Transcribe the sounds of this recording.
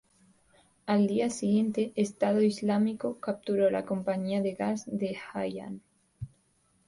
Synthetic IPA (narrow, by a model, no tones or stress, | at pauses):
ald̪iasiɣje̞nt̪e̞ʔːst̪að̞o̞izlamiko̞kap̚t̪uɾo̞la̰ko̞mpaɲiaðe̞ɣazðe̞xaja̰n